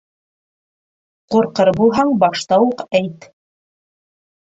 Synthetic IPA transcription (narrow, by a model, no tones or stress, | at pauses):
quɾqɤɾbulˠɦɑɴbɑʃt̪ɑwuqæjt̪